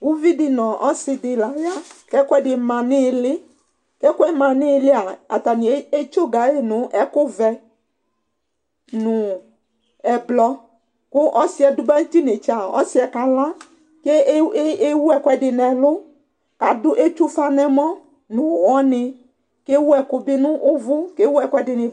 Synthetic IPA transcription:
wu˦vi˦dɪ˨nɔ̃˨ʔɔ˦sɪ˨dɪ˨la˨ja˦kɛ˦kʊ˦ɛ˦ɖɪ˨mã˨nɪ̃˦˨lɪ˦ | kɛ˦kɛ˦mã˨nɪ̃˦lɪ˦a˨a̰˨t̪a˨nĩ˨˦e˦t͡ʃo˦ɡa˨e˦nʊ̃˨˦ʔɛ˦kʊ˦vɛ˨ | nʊ̃˨ | ɛ˨blɔ˦ | kʊ˦ʔɔ˦si˨˦ɛ˨dʊ˦bɛ˦t̪i˦ne˨t͡ʃa˨ɔ̰˦si˦ɛ˨ka˨lã˦ | ke˦e˦wu˦ɛ˦kʷɛ˦ɖɪ˨nɛ̃˨lʊ˦ | ka˨dʊ˦ʔe˦t͡ʃu˦fa˦nɛ̃˨mɔ̃˦ | nũ˨wɔ˦nɪ̃˨ | ke˦wu˦ɛ˨kʊ˨bɪ˦nũ˦ʔʊ˦vʊ˦ke˦wu˦ɛ˦˨kʷɛ˦dɪ˨nɪ̃˨

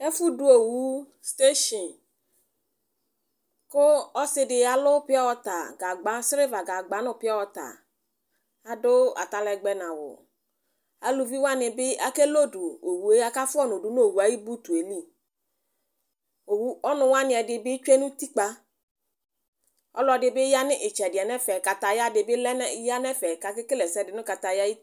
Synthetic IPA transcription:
e˦fu˦du˨o˨wu˦ | st̪e˦ʃi˨n | kʊ˦ɔ˦sɪ˦dɪ˨a˨lʊ˦pɪ˦ɔ˦wɔ˦t̪a̰˨ɡa˨ɡ͡ba˨˦sɾɪ˦va˨ɡa˨ɡ͡ba˨˦nʊ˨pɪ˦ɔ˦wɔ˦ta̰˨ | a˨dʊ˦a̰˨ta˨lɛ˨ɡ͡bɛ˨na˨wʊ̰˨ | a˨lu˨vi˦wa˦nɪ˨bɪ˦a˦ke˦lo˦du˨o˨wu˨e˦a˦ka˦fʊ˦ɔ˦nʊ˨du˨˦n˦o˨wu˨a˨˦ji˦bu˦tu˨e˨li˦ | o˨wu˦ɔ˦nʊ˨wa˦nɪ˨ɛ˨dɪ˨bɪ˦t͡ʃʷe˦nʊ̃˦ti˦k͡pa˦ | ɔ̰˦lɔ˨dɪ˨bɪ˦ja˦nɪ˦ʔɪ˨t͡ʃɛ˨dɪ˨ɛ˨nɛ˦fɛ˨ka˨ta˨ja˦dɪ˨bɪ˦lɛ˦n˦ja˦nɛ˦fɛ˨ka˨kɪ˦kɪ˦lɛ˨sɛ˦dɪ˨nʊ˦ka˨ta˨ja˦i˦

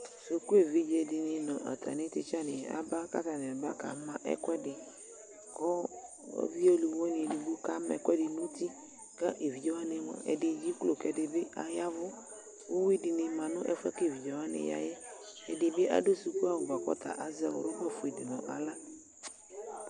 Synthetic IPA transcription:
so˨ku˦e˨vi˦d͡ʒe˨dɪ˨nɪ̃˨nɔ̃˨ʔa̰˨t̪ʰa̰˨nɪ̃˦t̪ɪ˦t͡ʃa˦nɪ̃˨a̰˨ba˦ka̰˦t̪a˨n˨a˨ba˦ka̰˨˦mã˦ʔɛ̰˦kɛ˦dɪ˨ | kɔ˦ | ɔ̰˦vi˦o˦lu˨wo˦ni˨di˨bu˦ka˦mɛ̰˨kwɛ˦dɪ˨nũ˦ti˦ | ka˦ʔe˨vi˨d͡ʒɔ˦wa˦nɪ˨mɔ̰̃˨ɛ̰˨dɪ˨d͡ʒi˦klo˨kɛ˨dɪ˨bɪ˦a̰˨ja˦vʊ˦ | o˦wi˦dɪ˨nɪ˨mã˨nʊ̃˦ʔɛ̰˦fɛ̰˦ke˦˨vi˨d͡ʒɔ˨wa˦nɪ̰̃˨ja̰˨jɛ˦ɛ˨dɪ˨bɪ˦ʔa̰˦do˦su˨ku˦a˦˨wʊ˨ba˨kɔ̰˦t̪a̰˨ʔa˨zɛ˦wʊ̰˦ɾʊ˦ba˦˨fʊ˨e˨dɪ˨nɔ̃˨ʔa̰˨la˦

